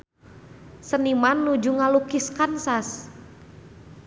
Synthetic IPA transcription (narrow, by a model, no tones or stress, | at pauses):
sənimanːud͡ʒuŋalukiskansas